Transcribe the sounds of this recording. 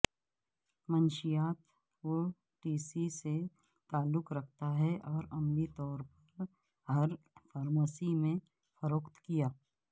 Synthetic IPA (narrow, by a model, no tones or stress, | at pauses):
mɐnʃijaːt̪ | ko | ʈiːsise | t̪aːlːʊkɾɐkʰt̪aɦɛʔɔːɾɐmlit̪ɔːɾpɐɾ | ɦɐɾ | faːɾmaːsimẽ | fəɾoːkt̪kijaː